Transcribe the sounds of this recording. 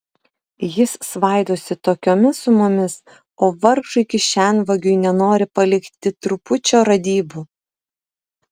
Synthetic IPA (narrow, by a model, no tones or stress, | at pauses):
jɪssʋɑˑɪd̪oːsʲɪt̪oːkʲoːmʲɪsʊmʊmʲɪs | oːʋɐɾʒʊɪkʲɪʃʲænʋɐɡʲʊɪnʲɛnoːɾʲɪpɐlʲɪkt̪ʲɪt̪ɾʊpʊt͡ʃʲoːɾɐd̪ʲiːbu